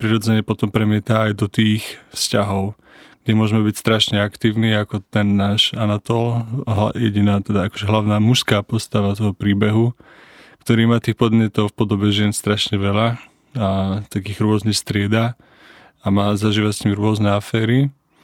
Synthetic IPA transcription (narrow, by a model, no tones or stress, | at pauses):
pɾiɾɔd͡zɛɲɛpɔt̪ɔmpɾɛmɪɛt̪aːjd̪ɔt̪iːxfscaɦɔʊ | ɡɟɛmʊɔʒɛmɛbicst̪ɾaʃɲɛakt̪iːʊniakɔt̪ɛnːaːʃanat̪ɔlɦa̰jɛɟinaːt̪ɛd̪aakɔ̥ʒɛɦlaʊnaːmuʃskaːpɔst̪aʋat̪ɔɦɔpɾiːbɛɦu | kt̪ɔɾiːmaːt̪iːxpɔd̪mɲɛt̪ɔʊfpɔd̪ɔbɛʒɪɛnst̪ɾaʃɲɛʋɛla | at̪akiːɣɾʊɔznixst̪ɾɪɛd̪a | amaːzaʒiːʋasɲimɾʊɔznɛafɛːɾi